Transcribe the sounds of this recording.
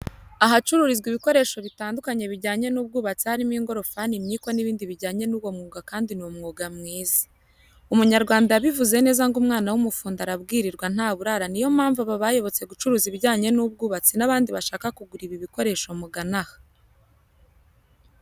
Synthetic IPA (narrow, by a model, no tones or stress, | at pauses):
aɦat͡ʃuɾuɾizɡiβiko̞ɾe̞ːʃo̞βitaːndukaɲe̞βiɾɟaːɲe̞nuːb̚ɡuːβat͡sihaɾimiːŋɡo̞ɾo̞fanimɲiːkwo̞niβiːndiβiɾɟaːɲe̞nuːβwo̞mŋuːɡakaːndinuwmŋuːɡamŋiːzi̥ | umuɲaɾɡwaːndajaβivuze̞ne̞ːzaŋɡumŋaːnawumufuːndaɾabɡiːɾiɾɡwan̥aːβuɾaɾanijo̞m̥haːɱvaβaβajo̞βo̞t͡se̞ɡut͡ʃuɾuːziβɟaːɲe̞nub̚ɡuːβat͡sinaβaːndiβaʃaːkakuɡuɾiβiβiko̞ɾe̞ʃo̞muɡanahḁ